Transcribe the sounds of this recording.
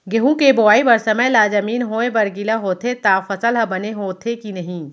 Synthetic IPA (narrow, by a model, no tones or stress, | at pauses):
ɡeɦũkeboaːibɐɾsɐməjlaːd͡ʒɐmiːnɦoːebɐɾɡilaɦoːt̪ʰet̪aːfɐsəlɦɐbɐneɦoːt̪ʰekinɐɦĩː